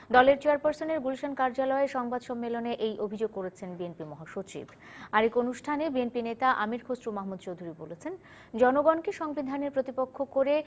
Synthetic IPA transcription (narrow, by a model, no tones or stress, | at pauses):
d̪ɔleɾt͡ɕeaɾpaɾsoneɾɡulʃankaɾd͡ʑalɔeʃɔŋbad̪ʃɔmːeloneʔejʔobʱid͡ʑoɡ̚koɾet͡ɕʰenbienpimɔɦaʃot͡ɕḭbʱ | aɾekonuʃʈʰanebienpinet̪aʔamiɾkʰosɾumaɦmud̪̚t͡ɕowd̪ʱuɾibo̰let͡ɕʰen | d͡ʑɔnoɡɔnkeʃɔŋbid̪ʱaneɾpɾot̪ipokʰːokoɾe